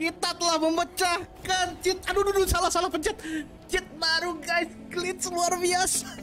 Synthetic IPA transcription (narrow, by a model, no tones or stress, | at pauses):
kit̪at̪əlahməmbət͡ʃahkant͡ʃɪt̪adududusalahsalahpəɲt͡ʃat̪̚ | t͡ʃɪt̪̚naɾuɡajsklɪt̪̚səluarbiasa